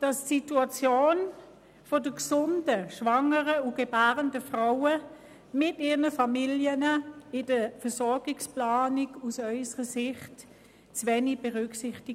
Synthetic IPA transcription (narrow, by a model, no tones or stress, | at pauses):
d̥ɑssituɑt͡sjoːn | fodəksʊndəʃvɑŋəʁəuɡ̥ebaːʁəndəfʁaʊə | mɪtiːʁnəfɑmiljənəɪdəfəɐsɔɐɡɪksplaːnɪɡusœʏsəʁəsɪχt | t͡sʋɛnib̥eʁʏksɪχtɪ